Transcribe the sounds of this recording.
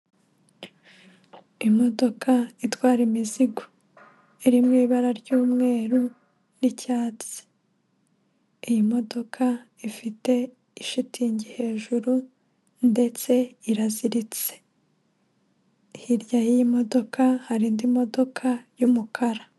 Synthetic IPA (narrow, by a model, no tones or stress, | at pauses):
imo̞do̞kʰaitwaːɾimiziɡo | iɾimŋiːβaɾaɾɟuːmŋe̞ːɾu | nicaːt͡si̥ | ijimo̞do̞kʰa | ifite̞ | iʃitʰiɲɟihe̞ːʒuɾu | nde̞t͡se̞iɾaziɾit͡se̥ | hiɾjajijimo̞do̞kʰahaɾiːndimo̞do̞kʰajumukʰaɾa